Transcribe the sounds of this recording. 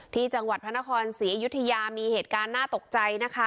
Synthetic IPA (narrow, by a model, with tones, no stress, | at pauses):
t̪ʰiː˥˩t͡ɕa˧ŋwa˨˩t̪̚pʰa˦˥na˦˥kʰɔː˧nsi˩˦ɐju˦˥t̪ʰːa˧jaː˧miː˧heː˨˩t̪̚kaː˧nːaː˥˩t̪o˨˩k̚t͡ɕa˧jna˦˥kʰa˦˥